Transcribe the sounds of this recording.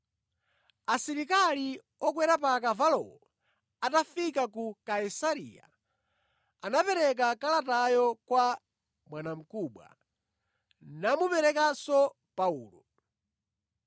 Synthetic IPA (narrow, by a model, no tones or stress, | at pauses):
asiɾikali | ɔkwɛɾapak̬avalɔ̰ɔ | atafikakukaisaɾḭja̰ | anapɛɾɛk̬akalatajɔkwa | mwanam̩kuːɓwa̰ | namupɛɾɛkasɔ | pauːlɔ